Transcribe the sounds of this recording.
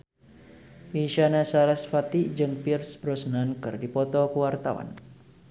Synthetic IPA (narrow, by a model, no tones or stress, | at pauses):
iʃanasaɾasfat̪id͡ʒɨŋpirsbɾɔsnankɨrdipɔt̪ɔkəwart̪awa̰n